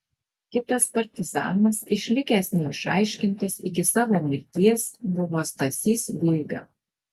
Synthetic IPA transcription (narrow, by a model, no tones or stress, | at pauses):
kʲɪt̪ɐspɐɾʲt̪ʲɪzɑ̰ːnɐsɪʃʲlʲɪkʲæsʲnʲɛɪʃɑ̰ɪʃʲkʲɪnʲt̪ɐsɪɡʲɪsɑːʋoːmʲɪɾʲt̪ʲiɛsbʊʋoːst̪ɐsʲiːsʋʲɪlʲɡɐ̰